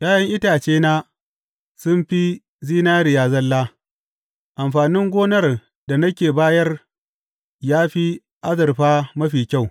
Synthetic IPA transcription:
jaː˦jɐ˦ŋʔɪ˦taː˨t͡ʃeː˦naː˦ | sʊ˦mɸi˦ | ziː˦naː˦ɾɪ˨jaː˨zɐ˦lːaː˦ | ʔa˨mɸaː˨nɪ˦ŋɡʷoː˦nɐ˦˨r | da˨nɐ˦kʲeː˨baː˦jɐ˦r | jaː˦ɸi˦ | ʔa˦zɐ˨rɸaː˦mɐ˦ɸiː˨kʲa˦˨w

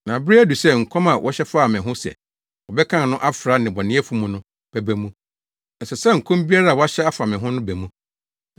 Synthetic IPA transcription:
nã˨bɾi˦æ˦du˨sɛ˦ŋ̩˨kʰɔ̃˦ma˨wʔɔ˦ɕɛ˦fa˦˨mɪ̃˨ɦʊ̃˦sɛ̰˨ | wɔ˨bɛ˦kʰã˦n˨nʊ̃˦ʔa˦fɾa˨˦nɪ̃˨bɔ˨nɪ̃˦ɛ˦fu˦mũ˨˦nʊ̃˦ | b̥ɛ˨bæ˨mũ˦ | n̩˨sɛ˨sɛ˦ŋ̩˨kʰʊ̃˦m˦bi˦a˦ɾa˦˨wɔ˦a˦ɕɛ˦a˦fa˨mɪ̃˨ɦʊ̃˦nʊ̃˦bæ˨mũ˦

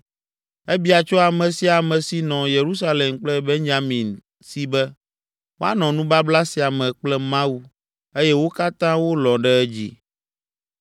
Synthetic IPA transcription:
ɛ˦bi˦a˨t͡ʃɔ˦a˨mɛ̃˨si˦a˨mɛ̃˨si˨nɔ̃˨je˨ɾu˦s̬a˦le˨mk͡plɛ˦be˦ɲd͡ʒa˦mĩ˨n | si˦bɛ˦ | wo˦a̰˦nɔ̃˨nũ˦ba˦bla˦si˨a˨mɛ̃˨k͡plɛ˦mã˦u˦ | e˦jɛ˦wo˦ka˦t̪ã˦wo˦lɔ̃˨ɖɛ˦ɛ˦d͡ʑḭ˦

